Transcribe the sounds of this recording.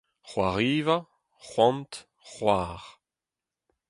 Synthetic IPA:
χwaʁiːva | χwɑ̃nt | χwaːʁ

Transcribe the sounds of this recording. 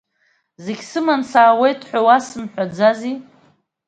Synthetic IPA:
zeɡʲsɨmansaːwe̞jtʰħʷᶣawasɨmħᶣʷad͡zazi

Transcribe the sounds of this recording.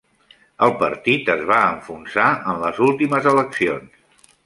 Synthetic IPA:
əlˠpəɾt̪it̪əzβaəɱfunsaənləzulˠt̪iməzələksions

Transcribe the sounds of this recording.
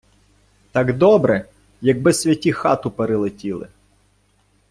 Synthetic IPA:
t̪ɑɡd̪ɔbɾɛ | jɐɡ̚bɪsʲʋʲjɐtʲixɑt̪ʊpeɾɪlˠetʲilˠɪ̰

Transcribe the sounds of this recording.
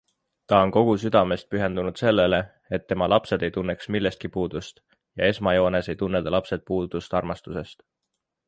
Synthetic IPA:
t̪ɑo̞nko̞ɡ̥usyd̪̥ɑme̞st̪̚pyɦe̞nd̪unud̪̥se̞lːe̞le̞ | et̪ːe̞mɑlʔɑpse̞d̪̥e̞jt̪unːe̞ksmilːe̞st̪̚kipuːd̪̥ust̪ | jɑ̰e̞smɑjo̞ːne̞se̞jt̪unːed̪̥ɑlɑpse̞t̪̚puːd̪̥ust̪ɑrmɑst̪use̞st̪

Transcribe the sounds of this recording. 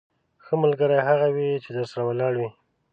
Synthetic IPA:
xəmalɡəɾajɦaɣawit͡ʃed̪əɾsaɾawalɑɽwi

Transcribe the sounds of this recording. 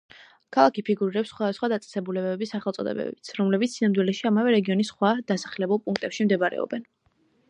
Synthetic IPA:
kʰalˠakipʰiɡuɾiɾɛpsːχwad̪asχwad̪at̪sʼɛ̥sɛbulɛbɛbɛbisaχɛlˠt̪sʼɔ̰d̪ɛ̰bɛ̰bit̪sʰɾɔmlɛbit̪sːinamd̪wilɛʃiamavɛɾɛɡiɔnisχwad̪̥asḁχlɛbulˠpʼuŋk̚ʰt̪ʼɛpʃimd̪ɛbaɾɛ̰ɔ̰bɛn

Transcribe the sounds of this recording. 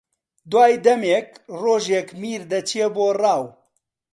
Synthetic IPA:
d̪waːjd̪ɐmeːkroːʒekmiːɾd̪ɐt͡ʃʰijeboːrɑːw

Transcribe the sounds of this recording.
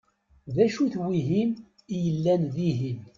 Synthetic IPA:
ðæʃuθwiɦim | ijəlːænðiɦim

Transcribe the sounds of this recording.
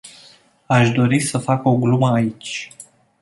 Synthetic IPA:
aʃd̪o̞ɾisəfako̞ɡluməait͡ʃʲ

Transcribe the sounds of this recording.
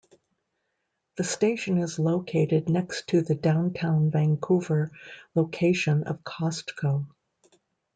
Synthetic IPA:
ðɨsteɪʃɨ̃nɪzloʊkʰeɪɾɨdⁿnɛkstʰɨðɨdãʊ̃ntʰãʊ̃nvæ̃ŋkʰuvə˞loʊkʰeɪʃɨ̃nʌ̰v̥kʰɑstkʰoʊ

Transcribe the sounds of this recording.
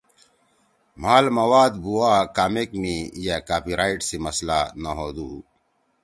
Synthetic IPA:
maːlmɐwaːd̪buwaːkamekmijakaːpiɾaːiʈsimɐslanɐɦoːd̪uː

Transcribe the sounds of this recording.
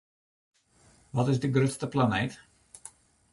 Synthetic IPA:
ʋɔtɪzdəɡrøtstəplanejt

